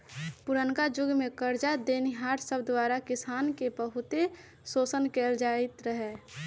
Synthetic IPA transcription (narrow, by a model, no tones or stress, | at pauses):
pʊɾənkad͡ʒʊɡmẽkəɾd͡ʒad̪eːniɦaːɾsəbd̪waːɾakɪsaːnkebəɦʊt̪e | soːsənkeːld͡ʒaːɪt̪ɾəɦɛ